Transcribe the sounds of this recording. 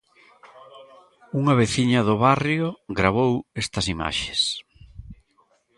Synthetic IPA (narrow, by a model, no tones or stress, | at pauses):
uŋɐβeθiɲɐðʊβarjoɡɾaβ̞owest̪ɐsima̰ʃe̥s